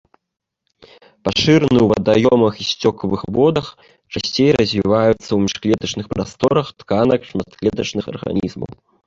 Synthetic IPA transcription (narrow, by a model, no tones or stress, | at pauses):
paʂɨɾnɨwvɐ̰d̪ajɔmɐxisʲt͡sʲɔkɐvɨxbɔd̪ɐx | t͡ʂasʲt͡sʲejrɐzʲvʲivajut̪sːɐwmʲiʂklʲɛd̪ɐt͡ʂnɨxpɾast̪ɔɾɐxt̪kanɐkʂmɐt̪klʲɛd̪ɐt͡ʂnɨxɐ̰rɣa̰nʲḭzmɐ̰w